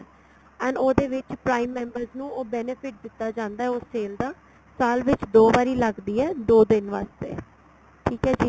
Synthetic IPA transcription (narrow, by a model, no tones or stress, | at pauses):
ɛ̃ːɳɖoːd̪eːʋɪt͡ʃpɾaːimːɛ̃ːmbəɾznũːʔoːbɛːnepʰɪʈ̚d̪ɪt̪ːaːd͡ʒãːnd̪aːɦɛːʊsːeːld̪aː | saːlʋɪt͡ʃd̪oːʋaːɾiːləɡd̪iːɛːd̪oːd̪ɪnʋa̰ːst̪ḛː | ʈʰiːkɦɛːd͡ʒiː